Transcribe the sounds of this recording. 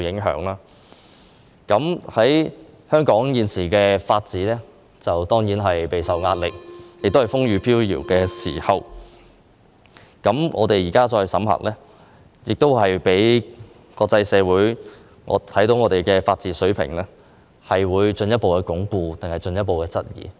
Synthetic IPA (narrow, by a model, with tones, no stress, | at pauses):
jɪ˨˥ŋɦœ̰ː˨˥ŋlaː˥ | kɐ˨˥mhɐ˨˥j | hœː˥ŋkɔː˨˥ŋjiː˨nsiː˨˩kɛː˧faː˧t̚t͡siː˨˥lɛː˥ | t͡sɐ˨wt̪ɔː˥ŋjiː˨˥nɦɐ˨jpe˨jsɐ˨wŋaː˧t̚lɪ˨k̚jɪ˨k̚t̪o˥hɐ˨jfʊ˥ŋɥyː˨˧pʰiː˥wjḭː˨˩wkɛː˧sḭː˨˩hɐ˨˩w | kɐ˨˥mŋʔɔ̰ː˨˧t̪e˨jiː˨˩kaː˥t͡sɔː˧jsɐ̰˨˥mhɐ̰˨k̚lɛː˥ | jɪ˨k̚t̪o˥whɐ˨jpe˨˥j | kɔː˧k̚t͡sɐ˧jsɛː˨˧wuː˨˥j | ŋɔ̰ː˨˧t̪ʰɐ˨˥jt̪o˨˧wŋɔː˨˧ɾe˨jkɛː˧faː˧t̚t͡siː˨˥sɵ˨˥ɥpʰɪ̰˨˩ŋlɛː˥ | hɐ˨jwuː˨˧jt͡ʃɵ˧njɐt̚po˨wkɛː˧kʊ˨˥ŋpuː˨˧t̪ɪ˨ŋhɐ˨˩jt͡ʃɵ˧njɐ˥t̚po˨wkɛː˧t͡sɐ˥t̚jḭː˨